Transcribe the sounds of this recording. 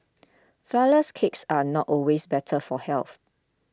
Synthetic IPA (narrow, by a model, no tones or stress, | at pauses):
flaləskʰeksanɔtɔlwesbɛtʰəfɔhɛlθ